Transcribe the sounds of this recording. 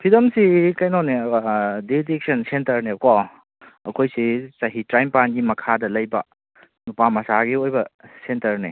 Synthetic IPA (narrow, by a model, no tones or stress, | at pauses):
pʰidɐmsikajnonedidik̚sɐnsentɐɾnekɔ | ɐ̰kʰojsisɐɦitɾajmpanɡimɐkʰadɐlɐjbɐ | nupamɐsaɡiojbɐsentɐɾni